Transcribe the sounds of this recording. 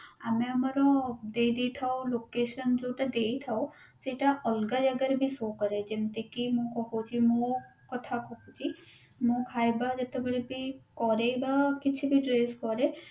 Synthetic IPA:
ameəmaɾɔd̪ed̪iʈ̪ʰaolokeːʃənd͡ʒot̪ad̪eit̪ʰao | seʈaʔɔlɡad͡ʒaɡəɾbʱisokəɾed͡ʒemt̪ekimũkɔkot͡ʃʰimokət̪ʰakɔkot͡ʃʰi | mõkʰajbad͡ʒət̪abəɽibikɔɾebakɪt͡ʃʰibʱiɖɾeskɔɾe

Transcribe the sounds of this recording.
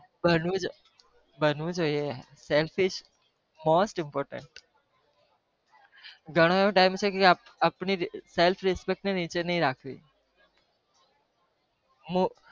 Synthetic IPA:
bənũd͡ʒ | bənũd͡ʒoie | selfʰɪʃ | moːsʈɪmpoːɾʈə̰ɳʈ | ɡʱəɽ̃oeʋõʈaimt͡ʃʰekeapapɳiselfʰɾɪspek̚ʈnenit͡ʃenəɦĩɾakʰʋḭ̃ | mũ

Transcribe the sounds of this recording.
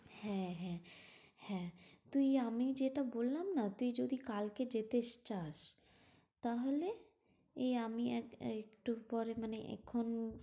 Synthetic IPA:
hɛ̃ɦɛ̃ | hɛ̃t̪uiamid͡ʒeʈabolːamnat̪uid͡ʒod̪ʱikalked͡ʒet̪eʃt͡ɕaʃ | t̪aɦole | eamiɛekʈupɔɾemaneʔɛ̰kʰːon

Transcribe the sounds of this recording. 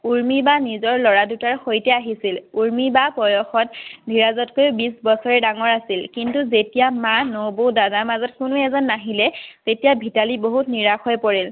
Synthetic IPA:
uɹmibanizɔɹlɔɹadutaɹxojtɛaɦisiluɹmibapɔjɔxɔtbʱiɹazɔtkojbisbɔsɔɹɛdaŋɔɹasilkintuzetijamanobodadamazɔtkʊnuɛzɔnːaɦilɛtetijabʱitaliboɦutniɹaxɔjpoɹil

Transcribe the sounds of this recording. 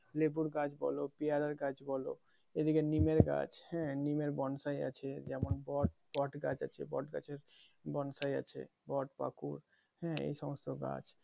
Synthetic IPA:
lebuɾɡad͡ʒbɔ̰lopijaɾəɾɡad͡ʒbɔlo̰ | ed̪ikenimeɾɡa̰d͡ʒhɛ̃nimeɾbɔnsaja̰t͡ʃʰɛd͡ʒɛmɔnbɔʈ̚ | bɔʈɡad͡ʒa̰t͡ʃʰɛ̰bɔ̰ʈɡa̰t͡ʃʰeɾ | bɔnsaja̰t͡ʃʰɛ̰ | bɔʈpa̰kuɾ | ɦɛ̃ḛsɔməst̪oɡa̰d͡ʒ

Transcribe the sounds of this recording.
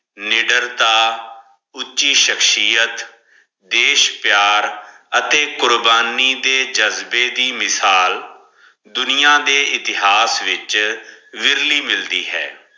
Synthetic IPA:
nɪɖəɾt̪aː | ʊtːt͡ʃiːʃəkʰʃiːət̪ | d̪eːʃpjaːɾ | ət̪eːkʊɾbaːniːd̪eːd͡ʒəzbeːd̪iːmɪsaːl | d̪ʊnijãːd̪eːʔɪt̪ɪɦaːsʋɪt͡ʃ | ʋɪɾliːmɪld̪iːɦɛ̰ː

